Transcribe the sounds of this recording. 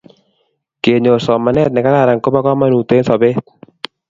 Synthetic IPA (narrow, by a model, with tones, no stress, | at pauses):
ke˨ɲo˨sɔ˨ma˨nɛ˦t̪̚nɪ˨ka˦ɾa˦˨ɾa˨ŋko˦ba˦kɔ˦ma˦nu˨t̪e˦nsɔ˨be˦t̪̚